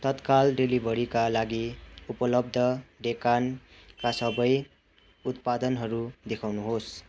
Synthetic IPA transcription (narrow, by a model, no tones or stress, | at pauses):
t̪ʌt̪kalɖelibʱʌɾikalaɡiupʌlʌb̚d̪ʱʌɖekankasʌbʌj | ut̪̚pad̪ʌnɦʌɾud̪ekʰawnuɦos